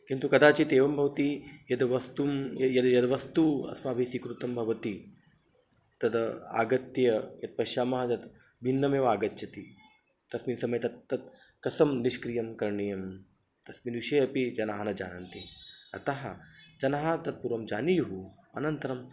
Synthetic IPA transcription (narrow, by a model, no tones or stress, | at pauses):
kint̪ukɐd̪aːt͡ʃit̪eːʋɐmbʱɐʋt̪ijɐd̪ʋɐst̪umjɐjɐd̪jɐd̪ɐʋɐst̪uɐ̰smaːbʱeːsikɾut̪ɐmbʱɐʋɐt̪i | t̪ɐd̪ɐa̰ːɡɐt̪jɐjɐd̪̚pɐʃaːmɐɦɐɐd̪ | bʱinːɐmeːʋaːɡɐt̪t͡ʃɐt̪i | t̪ɐsminsɐmɐjt̪ɐt̪ːɐt̪̚ | kɐsɐmniʃkɾijɐmkɐɾɳijɐm | t̪ɐsminʋiʃɐːɐpid͡ʒɐnaːɦɐnɐd͡ʒa̰ːnɐnt̪iɐ̰t̪ɐɦɐd͡ʒɐnaːɦɐt̪ɐt̪̚puɾʋɐmd͡ʒaːnijɐɦu | ɐ̰nɐnt̪ɐɾɐm